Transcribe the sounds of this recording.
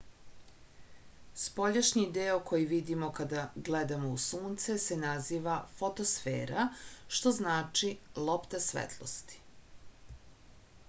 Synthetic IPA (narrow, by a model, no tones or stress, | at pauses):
spo̞ʎaʃɲid̪eokʰo̞jiʋid̪imo̞kad̪aɡled̪amo̞usuːnt̪sesenaziːʋafot̪osfḛːɾaʃt̪o̞znaːt͡ʃilˠopt̪asʋḛt̪ʰlˠo̰st̪i̥